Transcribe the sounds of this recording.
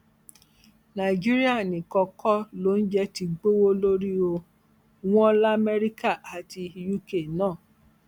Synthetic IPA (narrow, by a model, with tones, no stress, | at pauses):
nã˨i˨d͡ʒi˦ɾi˦a˦˨nĩ˨kɔ˧kɔ˦lo˨˦n̩˦d͡ʒɛ˧ti˧ɡ͡bo˦wo˦lo˦ɾi˦o˧ | w̃ɔ̃˦la˦˨mɛ˦ɾi˦ka˦˨a˨ti˧ju˦ke˦˨nãː˦˨